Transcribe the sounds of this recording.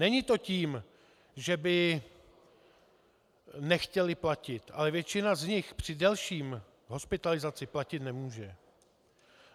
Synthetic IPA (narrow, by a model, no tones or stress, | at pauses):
nɛɲɪt̪o̞ciːm | ʒɛbɪ | nɛxcɛlɪplacɪt̪ʔalɛvjɛt͡ʃɪnazɲɪxpr̝̥ɪdɛlʃiːm | ɦo̞spɪt̪alɪzat͡sɪplacɪt̪nɛmuːʒɛ